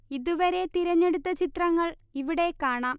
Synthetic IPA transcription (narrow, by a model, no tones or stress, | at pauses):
iðuʋɐɾe̞t̪iɾɐɲːe̞ɽut̪ːɐt͡ɕit̪rɐŋːɐɭiʋiɽe̞kːaːɳaːm